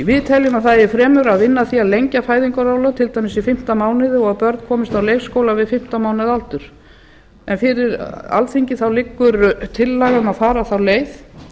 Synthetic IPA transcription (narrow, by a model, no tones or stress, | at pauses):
ivɪːðt̪ʰɛljʏmaθaɪɾfɾɛːmʏɾaðvɪnːaθiaðlejɲcafaːjðiŋkaɾaːwlat̪ʰɪlt̪ajmɪsifɪm̥t̪amaːwnɪðɪɔɣaðpœɾt̪kʰɔːmɪst̪awlejfskoːwlavɪðfɪm̥t̪amaːwnɪðalt̪ʏɾ̥ | ɛnfɪɾɪɾa̰lθiɲcɪθawlɪkːʏɾt̪ʰɪlːaɣʏmaðfaːɾaθawleːjθ